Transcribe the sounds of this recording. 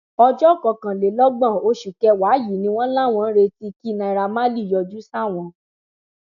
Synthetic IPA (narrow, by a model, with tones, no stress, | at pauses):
ɔ˧d͡ʒɔ˦˨kɔ˧˨kã˨le˨lɔ˦ɡ͡bã˦˨o˧˦ʃu˨kɛ˧wa˨˦ji˨nĩ˧˦w̃ɔ̃˦la˦˨w̃ɔ̃˧n̩˦ɾe˧ti˧ki˦˨nã˧i˧ɾa˧mã˦li˦˨jɔ˧d͡ʒu˦sa˦˨w̃ɔ̃˧